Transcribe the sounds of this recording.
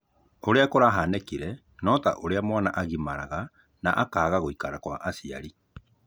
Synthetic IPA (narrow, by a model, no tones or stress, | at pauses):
oɾeakoɾaɦaːnɛkiɾɛ | nɔta̰ʔoɾeamwanaʔaɣimaɾaɣa | na̰ʔakaːɣaɣoikaɾakwa̰ʔasia̰ɾi